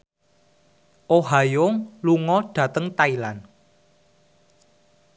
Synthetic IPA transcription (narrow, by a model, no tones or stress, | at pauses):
ʔoɦajʊŋluŋɔɖ̥ä̤t̪əŋt̪ailan